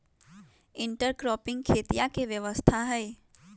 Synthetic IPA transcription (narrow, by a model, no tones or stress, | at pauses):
ɪ̃ɳʈəɾkɾɔːpɪ̃ŋɡ̚kʰeːt̪ijakeʋjəʋəst̪ʰaɦɛː